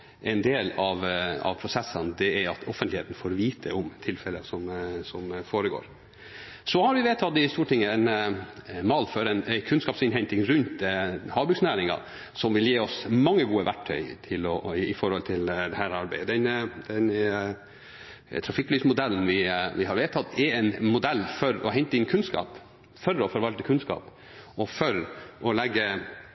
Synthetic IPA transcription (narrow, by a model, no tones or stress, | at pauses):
ʔɛɪnd̪eːlɑʋɑ̰ʋpʰɾʊsɛsːənd̪ɛɛɑt̪ʰɔfənt̪lɪeːt̪n̩foːɾʋiːt̪ʰə̰ʊmt̪ʰɪlfɛləsɔmsɔmfoːɾəɡo̰ːɾ | sɔhɑɾʋɪʋeːt̪ʰɑt̪ːɪst̪uːʈʰɪŋːəɛn | mɑːlføːɾɛnæɪkʰʉnskɑːpsɪnɦɛnt̪ɪŋɾʉnt̪hɑːbɾʉksnæːɾɪŋɑ̰ | sɔmʋɪljeːɔsmɑŋːəɡuːəʋʔæ̰ʈʰːœ̰ʏt̪ʰɪlɔɪfɔɾhɔlt̪ʰɪld̪ɛhæːɾɑɾbæ̰ɪd̪ɛnd̪ɛn | t̪ʰɾɑfɪklyːsmʊd̪ɛlːn̩ʋɪʋɪhɑɾʋeːt̪ʰɑt̪ɛɛɪnmʊd̪ɛlːfɔɾɔ̰ɦɛɲt̪əɪnkʰʉnskɑ̰ːp | fœɾɔfɔɾʋɑlt̪əkʰʉnskɑ̰ːp | ɔfœɾʔɔlɛɡːə